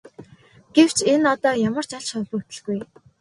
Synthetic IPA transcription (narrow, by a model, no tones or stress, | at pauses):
ɡ̥ew̥t͡ɕʰenɔt̪ɔːjamə̆r̥t͡ɕaɮt͡ɕχɔɮut̪ɘ̆ɮɡuj